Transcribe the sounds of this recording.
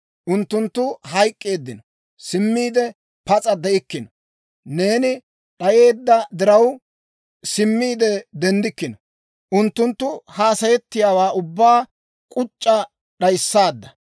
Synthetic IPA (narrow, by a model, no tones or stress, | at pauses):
ʔʊnt̪ːʊnt̪ːʊɦɐjkʼːe̞ːd̪ːɪnɔ | sɪmːiːd̪ɛ | pɐt͡sʼɐd̪ɛʔɪkːɪnɔ | ne̞ːnɪ | ɗɐje̞ːd̪ːɐd̪ɪɾɐw | sɪmːiːd̪ɛd̪ɛnd̪ɪkːɪnɔ | ʔʊnt̪ːʊnt̪ːʊhaːsɐjɛt̪ːɪjaːwaːʔʊbːaː | kʼʊt͡ʃʼːɐ | ɗɐjsːaːd̪ːɐ